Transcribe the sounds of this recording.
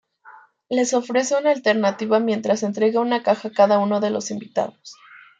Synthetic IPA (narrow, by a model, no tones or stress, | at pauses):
le̞so̞fɾe̞se̞unaːlt̪e̞ɾnat̪iβamje̞nt̪ɾase̞nt̪ɾe̞ɣaunakaxakaðauno̞ðe̞lo̞simbit̪a̰ðos